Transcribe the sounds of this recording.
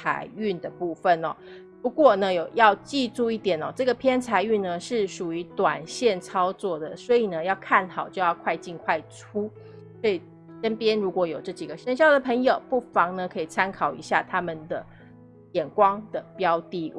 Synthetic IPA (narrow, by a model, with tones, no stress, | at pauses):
a̰˧˥˦ɪy˥˩nd̪ə˩pu˥˩fə˥˨nɔ̰˨˩ | pu˧˦kwɔ˥˩nə˨˦jo˨˩ʊjɑ˥˧ʊt͡ɕi˥˧ʈ͡ʂu˥˧i˥˩t̪jɛ˨˩nɔ̰˨˩ʈ͡ʂɤ˥˩ɡə˩pʰjɛ˥nt͡sʰa˧˥ɪy˥˩nnə˩ʂɻ̩˥˩ʂu˨˩y˧˥t̪wa˨˩nɕjɛ˥˩nt͡sʰɑ˥ʊt͡swɔ˥˩d̪ə˩swɔ˧˥i˨˩nə˦jɑ˥˧ʊkʰa˥˩nxɑ˨˩ʊt͡ɕjo˥˧ʊjɑ˥˧ʊkʰwa˥˧ɪt͡ɕi˥˧nkʰwa˥˩ɪʈ͡ʂʰu˥ | swɔ˧˥i˨˩ | ʂə˥npjɛ˥nɻu˧˥kwɔ˧˥jo˨˩ʊʈ͡ʂɤ˥˩t͡ɕi˨˩ɡə˦ɕə˥nɕ̬jɑ˥˩ʊd̪ə˩pʰə˧˥ŋjo˨˩ʊpu˥˩fɑ˧˥ŋnə˧kʰɤ˧˥i˨˩t͡sʰa˥nkʰɑ˨˩ʊḭ˧˥ɕja̰˥˩t̪ʰa˦˥mə˨nd̪ə̰˩ | jɛ˨˩nkwɑ˥ŋd̪̥ə˨pjɑ˦˥ʊt̪i˧˥